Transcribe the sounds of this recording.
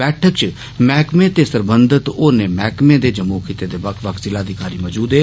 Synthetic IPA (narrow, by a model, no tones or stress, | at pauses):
bɛːʈʰəkt͡ʃ | mɛːkmẽːt̪eːsəɾbənd̪ʱət̪oːnẽːmɛːkmẽːd̪eːd͡ʒəmukʰit̪eːd̪eːbəkʰʋəkʰzɪlaːd̪ikaːɾiːmɔːd͡ʒuːd̪eː